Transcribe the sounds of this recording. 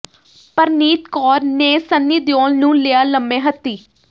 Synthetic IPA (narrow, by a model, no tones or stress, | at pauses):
pəɾniːt̪kɔːɾneːsənːiːd̪jɔːlnũːlɪaːləmːẽːɦət̪ːiː